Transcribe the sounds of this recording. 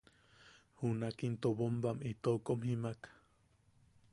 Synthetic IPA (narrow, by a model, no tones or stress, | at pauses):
hunakint̪obombamit̪okomhimakḁ